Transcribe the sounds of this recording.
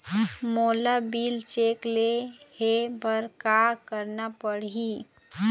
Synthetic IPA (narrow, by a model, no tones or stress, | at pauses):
moːlabilt͡ʃeːklehebəɾkakəɾnapəɽi